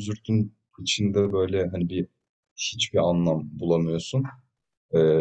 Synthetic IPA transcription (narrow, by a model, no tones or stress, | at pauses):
zyɾt̪ʰyn | it͡ʃʰind̪ɛbø̞jlʲɛɦanibi | hit͡ʃbianlˠambulˠamɯjo̞sun | ɛː